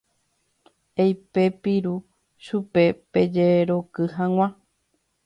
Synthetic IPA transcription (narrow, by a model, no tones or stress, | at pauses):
ejpe̞piɾu | ʃupe̞ped͡ʒeɾo̞kɨɦãŋw̃ʷã